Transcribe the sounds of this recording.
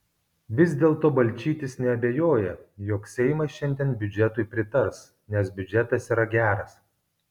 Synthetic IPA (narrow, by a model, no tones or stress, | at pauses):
ʋʲɪzʲd̪ʲeːlˠt̪oːbɐlʲt͡ʃʲiːt̪ʲɪsnʲɛɐbʲejoːjɛjoːksʲɛɪmɐsʃʲɛnʲd̪ʲiɛnbʲʊd͡ʒʲɛt̪ʊɪpʲɾʲɪt̪ɐɾs | nʲɛsbʲʊd͡ʒʲɛt̪ɐsiːɾɐɡʲæːɾɐs